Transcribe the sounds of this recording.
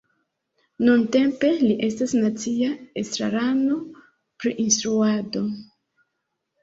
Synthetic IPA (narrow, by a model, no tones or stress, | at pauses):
nunte̞mpe̞liʔe̞stasnat͡siaestɾa̰ɾano̞ | pɾiʔinstɾuado̞